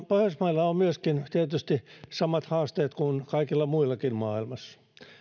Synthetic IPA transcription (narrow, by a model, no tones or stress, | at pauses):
pohjosmɑilːɑommyøskint̪iet̪yst̪isɑmɑt̪hɑːst̪eːt̪kunkɑikilːɑmuilːɑkinmɑːilmɑsɑ̥